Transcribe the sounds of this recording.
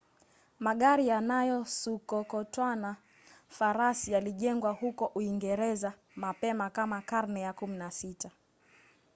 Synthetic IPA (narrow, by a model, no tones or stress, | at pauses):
maɠaɾijanajɔsukɔkɔtwana | faɾasijaliʄɛŋɡwahukɔʔuiŋɡɛɾɛza | mapɛmakamakaɾnɛjakuminasita